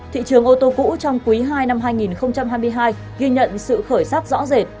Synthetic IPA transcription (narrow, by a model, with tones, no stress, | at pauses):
t̪ʰḭ˧˨t͡ɕɨ˨˩əŋʔo˧t̪o˧kṵ˧˥t͡ɕɔ˧wŋ͡mkwi˨˦ɦaː˧jna˧mɦaː˧jŋi˨˩nxə˧wŋ͡mt͡ɕa˧mɦaː˧jmɨ˧əjɦaː˧j | ɣi˧ɲə̰˧˨nsɨ̰˧˨xəː˧˩jsaː˦˥t̚zɔ̰˧˥ze˨˩t̚